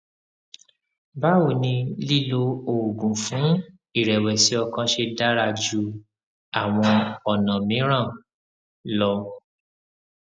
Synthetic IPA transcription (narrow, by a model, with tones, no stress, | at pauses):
ba˦o˦˨nĩ˧li˦˨lo˧o˨u˨ɡũ˨fũ˨˦ | i˦˨ɾɛ˨wɛ˨si˨˦ɔ˧kã˧ʃe˧da˦ɾa˧d͡ʒu˧ | a˨w̃ɔ̃˧ɔ˨nã˨mĩ˨˦ɾ̃ã˦˨ | lɔ̃˧